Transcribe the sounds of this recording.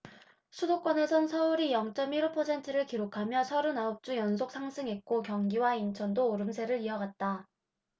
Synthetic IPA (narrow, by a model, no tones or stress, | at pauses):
sʰudok͈wʌne̞sʰʌnsʰʌuɾijʌŋt͡ɕ͈ʌmiɾupʰʌsʰe̞ntʰɯɾɯɭkiɾokʰamjʌsʰʌɾunaop̚t͡ɕ͈ujʌns̬ʰok̚s͈ʰaŋsʰɯŋɦet̚k͈okjʌŋɡiwaint͡ɕʰʌndoːɾɯmsʰe̞ɾɯɾiʌɡat̚t͈a